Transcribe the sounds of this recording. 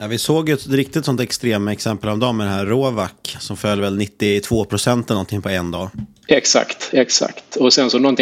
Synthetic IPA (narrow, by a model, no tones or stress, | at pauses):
jɑvɪsoːɡjɵɛt̪ɾɪk̚t̪ɪt̪sɔnt̪ɛkst̪ɾeːmaɛksɛmpəlɔmd̪ɔmmɛd̪ɛnɦæːɾoːvakːsɔmfœlːvɛlnɪt̪ːɪt̪ʰv̥oːpʰɾʊsɛnt̪ɛlnɔnt̪ʰɪŋpʰɔɛnd̪ɑː | ɛksa̰kt̪ɛksa̰kt̪ɔsɛnsɔnɔnt̪ɪ